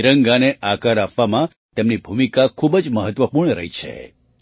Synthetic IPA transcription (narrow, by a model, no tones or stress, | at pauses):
ɾəŋɡaneʔakəɾapʋamã | t̪emnibʱumikakʰubd͡ʒməɦət̪ʋəpuɾɳɾə̰ɦit͡ʃʰḛ